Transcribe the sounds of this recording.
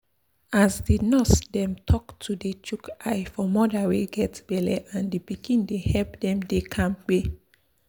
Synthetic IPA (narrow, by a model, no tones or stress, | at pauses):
azdinɔsdɛ̃mtʰɔktʰudet͡ʃukajfɔmɔdaweɡɛtb̥ɛlɛʔãndipikĩndehɛpdɛ̃mdekʰãmk͡pe